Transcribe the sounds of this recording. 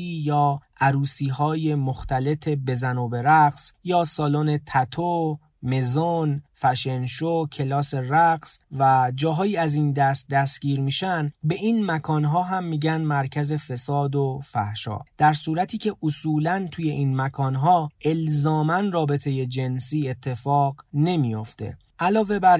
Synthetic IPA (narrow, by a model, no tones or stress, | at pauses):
iːjɒːʔæɾuːsiːɦɒːje̞moxt̪æle̞t̪ʰe̞be̞zænoːbe̞ɾæɡsjɒːsɒːlone̞t̪ʰæt̪ʰo | me̞zonfæʃe̞nʃocʰe̞lɒːse̞ræɡsvæd͡ʒɒːɦɒːjiːæzind̪æst̪̚d̪æst̪ɟ̥iːɾmiːʃænbe̞ʔiːnmækʰɒːnɦɒːɦæmːiːɟænmæɾcʰæze̞fe̞sɒːd̪ofæ̰hʃɒ̰ːd̪̥æɾsuːɾæt̪ʰiːcʰe̞ʔosuːlænt̪ʰuːje̞ʔiːnmækʰɒːnɦɒːʔe̞lzɒːmænrɒːbe̞t̪ʰe̞je̞d͡ʒe̞nsiːe̞t̪ʰːe̞fɒːɢne̞mijo̞ft̪e̞̰ | ʔælɒːve̞bæɾ